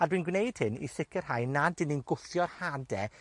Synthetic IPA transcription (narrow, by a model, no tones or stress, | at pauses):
adwinɡwnejd̥hɪnḭsɪkʰɨr̥ɦajnadɪninɡʊθjɔrhadɛ